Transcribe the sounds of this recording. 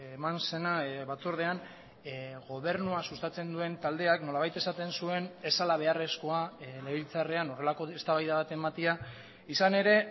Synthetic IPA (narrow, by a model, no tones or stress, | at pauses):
emanse̞naβat͡soɾð̞e̞an | ɣo̞β̞e̞ɾnuasust̪at͡se̞nd̪ue̞nt̪ald̪e̞akno̞laβajt̪e̞sat̪e̞nsue̞ne̞salaβ̞e̞are̞sko̞ale̞βilt͡sareano̞re̞lako̞est̪aβajðaβat̪e̞mat̪ia | isane̞ɾe̞